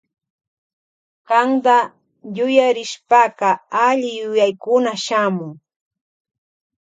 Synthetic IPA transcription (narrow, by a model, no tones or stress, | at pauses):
qɑŋɢ̪a | jʊjaɾɪʃpaɢɑaʎɪjʊjajkʊnaʃamʊŋ